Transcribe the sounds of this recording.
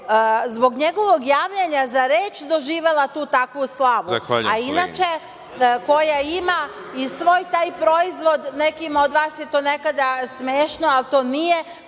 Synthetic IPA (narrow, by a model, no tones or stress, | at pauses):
zbo̞ɡɲe̞ɡo̞ʋo̞ɡjaːʋʎeɲazaɾe̞ːt͡ʃd̪o̞ʒiːʋe̞lˠat̪uːt̪akʋuslˠaʋuainat͡ʃe̞ | ko̞jaima | isʋo̞ːjt̪aːjpɾo̞izʋo̞d̪nekimo̞d̪ʋaːsje̞t̪o̞ːne̞kad̪asmeːʃnoalt̪o̞ːnije̞